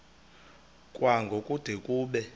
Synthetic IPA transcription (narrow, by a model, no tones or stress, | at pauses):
kʼwʔaŋɡʱokʼud̥ʱekʼuːɓɛ